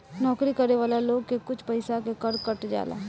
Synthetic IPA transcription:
nɔːkɾikɐɾeʋaːlaloːɡkekʊt͡ʃʰpɐɪsakekəɾkəʈd͡ʒa̰ːla̰ɦ

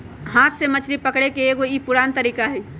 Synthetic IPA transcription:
ɦãːt̪ʰsemət͡ʃʰɾipəkɽekeːɡoipʊɽaːnt̪əɾiːkaɦɛː

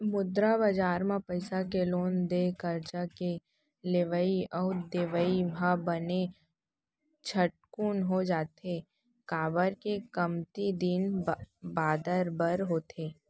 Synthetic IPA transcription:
mʊd̪ɾabad͡ʒaːɾmãpəɪsakeloːnd̪ekəɾt͡ʃake | leʋəiɔːd̪eʋəibʱabəne | t͡ʃʰəʈ̚kuːnɦod͡ʒaːt̪e | kaːbəɾkekəmt̪id̪inbaːd̪əɾbəɾɦoːt̪eː

